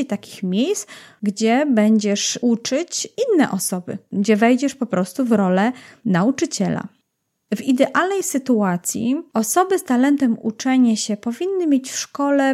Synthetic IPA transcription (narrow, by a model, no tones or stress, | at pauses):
ejt̪akʲi̥xmʲjejsɡd͡ʑɛbɛɲd͡ʑɛʂut͡ʂɘt͡ɕinːɛ̰ʔɔsɔbɘ̰ɡd͡ʑɛvɛjd͡ʑɛʂpɔpɾɔst̪uvɾɔlɛnaut͡ʂɘt͡ɕɛla̰ | vid̪ɛʔalnɛjsɘt̪uat̪sʲjḭɔsɔbɘst̪alɛnt̪ɛmṵt͡ʂɛɲaɕɛpɔvʲinːɘmʲjet͡ɕfʂkɔlɛ